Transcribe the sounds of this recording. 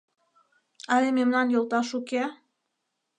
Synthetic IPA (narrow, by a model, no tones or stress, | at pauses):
ɑlememnɑnjolˠt̪ɑʃuke